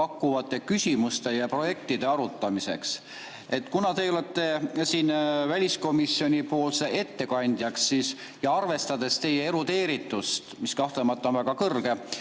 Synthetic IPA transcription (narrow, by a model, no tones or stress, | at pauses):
ɑkːˑuvɑt̪ːˑe̞kysʲimust̪e̞jɑpro̞je̞k̚t̪id̪̥e̞ɑɾut̪ːˑɑmise̞̰ks | e̞t̪ːˑkunɑt̪e̞jo̞let̪ːe̞siːnvælʲisko̞misːio̞nʲipo̞ːlse̞ʔe̞t̪ːe̞kɑnʲd̪̥jɑksːiːs | jɑɑrve̞st̪ɑd̪e̞st̪e̞jeeɾut̪e̞ːɾit̪ːˑust̪miskɑht̪lemɑt̪ˑːonvæɡ̥ɑkɤrɡ̥e̞